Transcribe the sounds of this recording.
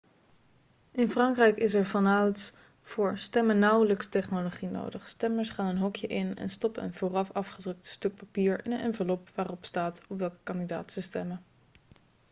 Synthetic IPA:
ʔɪnfrɑŋkrɛjkɪs̬ɛɹvɑnawt | v̥ʊːɹstɛmənːʌwləkstɛχnoloχino̰wdəχstɛməɹsχaːnənɦɔkjəʔɪnɛ̰nstɔpəə̰nv̥oːrɑfɑfχədrɵk̚tstɵk̚papiːɹɪɛ̰nvəlɔpʋaːrɔpstaːtɔpʋɛlˠkə̥kɑndida̰ːtsəstɛmə

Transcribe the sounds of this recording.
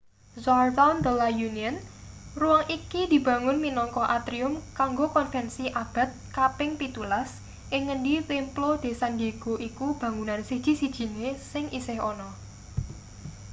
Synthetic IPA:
zart̪and̪əlajuniənruaŋʔikid̪̥i̤b̥ä̤ŋʊnminɔŋkɔʔat̪ɾiʊmkaŋɡokɔnfɛnsiʔab̥a̤t̪̚kapɪŋpit̪ulas | ʔɪŋːənɖitemplod̪̥e̤sand̪e̤ɡ̥oʔikub̥ä̤ŋunansid̥ʒ̥i̤sid̥ʒ̥i̤nesɪŋisɪɦɔnɔ

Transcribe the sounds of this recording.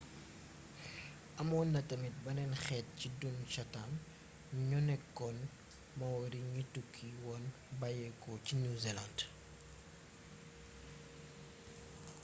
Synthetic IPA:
ʔɐmɔːnːɐtɐmit̚bɐnɛnxɛːt̚cidunʃɐtan | ɲɔnɛkːɔn | mɐwɐɾiɲitukʰːiwɔn | bɐjɛkɔcinuziland

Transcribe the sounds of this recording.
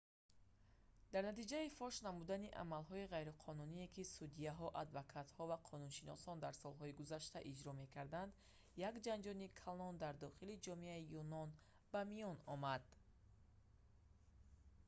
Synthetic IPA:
d̪̥aɾnat̪id͡ʒaifɔʃnamud̪aniʔa̰malɦɔiʁajɾiqʰɔnunie̞kisud̪iaɦɔʔad̪vakʰat̪hɔvaqʰɔnunʃinɔsɔnd̪aɾsɔlɦɔiɡuzaʃt̪aʔid͡ʒɾɔme̞kʰaɾd̪and̪ | jakd͡ʒand͡ʒɔnikʰalɔnd̪aɾd̪ɔχilid͡ʒɔmeaijunɔn | bamijɔnɔmad̪

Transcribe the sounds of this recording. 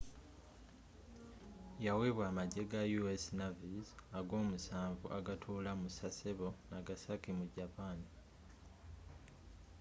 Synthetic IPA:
jaweβwaːmaɟeɡajuesinavizaɡo̞ːmusaːɱvṵʔaɡatʰuːlamusaseβo̞naɡasakimuɟapani

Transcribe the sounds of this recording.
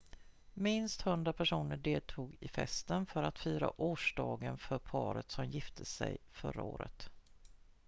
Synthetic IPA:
mɪnst̪hɵnd̪ɾapʰæʂuːnəɖeːlt̪ʰuːɡɪfɛ̰st̪ənfœɾat̪fyːɾa̰ʔoːʂɖɑːɡənfœɾpʰɑːɾət̪sɔmjɪft̪ʰəsɛ̰jfœ̰ɾaoːɾə̰t̪

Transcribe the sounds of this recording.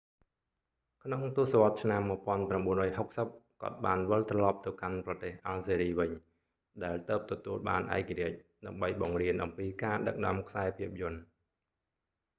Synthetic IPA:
kʰnoŋt̪uəhsaʋ̆ət̪̚t͡ɕʰnamːɨ̆əpŏənpramɓuənrɔːjɦok̚səp̚kŏət̪̚ɓaːnʋəlt̪rɑlɑp̚t̪ɨwkanprɑt̪eːhʔalseːɾiːʋɨɲ | ɗaɛlt̪əːp̚t̪ɔt̪uəlɓa̰ːnʔa̰ɛkaɾiəc̚ɗaəmɓəjɓɑŋriənʔɑ̰mpiːkaːɗək̚nɔ̆əmkʰsaɛpʰiəp̚jʊ̆ən

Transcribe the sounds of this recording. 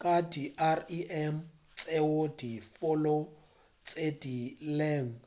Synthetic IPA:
kʼadiʔariʔɛm | t͡sʼeodifʊlo | t͡sʼedilɛŋ̩

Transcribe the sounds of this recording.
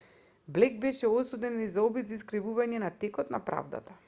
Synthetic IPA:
blɛɡ̚bɛʃɛɔsɔd̪ɛnizaɔbit̪zaiskɾivuvaɲɛnat̪ɛkɔt̪na̰pɾa̰vd̪a̰t̪a

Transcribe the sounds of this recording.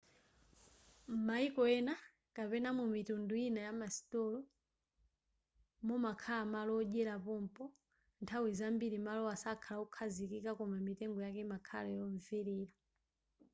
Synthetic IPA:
m̩maikɔɛna | kapɛnamumitundujinajamasi̥tɔlɔ | mɔmakʰalamalɔʄɛɾapɔm̩pɔ | ntʰawizambiɾimalɔasakʰalaukʰazikikakɔmamitɛŋɡɔjakɛmakʰa̰lɛjɔɱviɾiːɾa

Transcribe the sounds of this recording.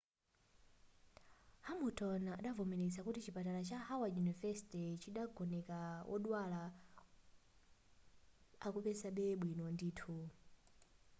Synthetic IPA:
hamutʰɔnaaɗavɔmɛnɛt͡sakutit͡ʃipatalat͡ʃahawajunivɛsitɛt͡ʃiɗaɡɔnɛkawʔɔ̰ɗwala | akupɛsaɓɛɓwinɔnditʰu

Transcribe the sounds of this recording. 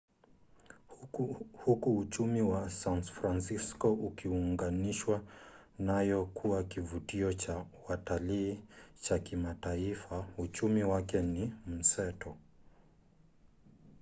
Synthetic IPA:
hukuːt͡ʃumiwasanfɾansiskɔʔukiuŋɡaniʃwanajɔkʰuwakivutiɔt͡ʃawataliːt͡ʃakimataifaut͡ʃumiwakɛnim̩sɛtɔ

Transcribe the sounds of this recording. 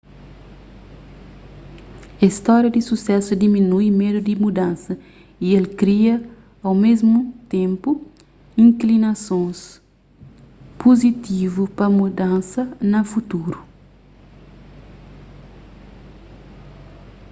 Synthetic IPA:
ɐist̪ɔɾjɐd̪isusɛsud̪iminujmed̪ud̪imud̪ãnsɐ | ielkɾiɐ | ɐwmezmut̪ẽmpu | ĩŋklinɐsõs | pozit̪ivupɐmud̪ãnsɐnɐfut̪uɾu

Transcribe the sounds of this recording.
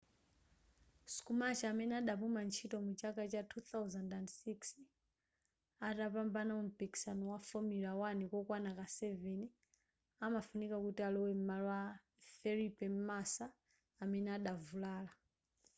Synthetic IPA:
su̥kumat͡ʃaamɛnɛaɗapumant͡ʃʰitɔmut͡ʃakat͡ʃatʰuθawzandandsiks | atapambanaum̩piki̥sanɔwafɔmiɾawanikɔkwanakasɛvɛni | amafunikakutialɔwɛm̩malwa | fɛɾipɛmasaː | mɛnɛaɗavulaːla

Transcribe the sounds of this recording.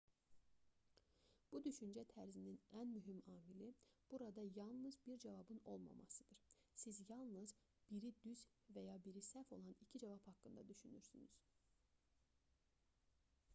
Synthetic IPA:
b̥ud̪yʃynd͡ʒæt̪ʰæɾzininænmyɦimɑːmilib̥uɾɑd̪ɑjɑlˠnɯzbiɾd͡ʒævɑbɯno̞lˠmɑ̰mɑ̰sɯd̪ɯɾ̥ | sizjɑlˠnɯz | b̥iɾid̪yz | væjɑbiɾisæfo̞̰lˠɑnicʰid͡ʒɑvɑphɑkːɯnd̪ɑ̰d̪yʃynyɾsyny̰z̥

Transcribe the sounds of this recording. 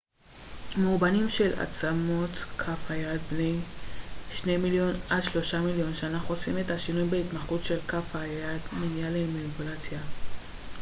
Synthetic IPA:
mubanimʃe̞la̰t͡samo̞t̪kʰafhajad̪̚bne̞j | ʃne̞jmiljo̞nadʃlo̞ʃamiljo̞nʃeanaχuosimet̪haʃinujbeit̪maχut̪ʃe̞lkafhajad̪minjalemanipulat͡sja

